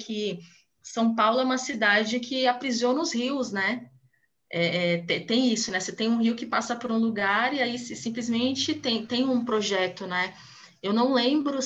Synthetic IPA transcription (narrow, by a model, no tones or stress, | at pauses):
kʰɪ | sɐ̃w̃pawlʊɛũmɐsid̪ad͡ʒɪkʰɪapɾizionʊzhiwsnɛ | ɛɛt̪et̪ẽj̃isʊnɛset̪ẽj̃ũhiwkɪpasɐpoɾũluɡaɾiaisɪsĩmplizmẽt͡ʃɪt̪ẽj̃t̪ẽj̃ũpɾoʒɛt̪ʊnɛ | ewnɐ̃w̃lẽbɾʊ